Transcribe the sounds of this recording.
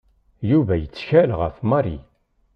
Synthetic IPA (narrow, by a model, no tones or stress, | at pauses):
juvæjət͡sːçælʁə̰fmɑɾḭ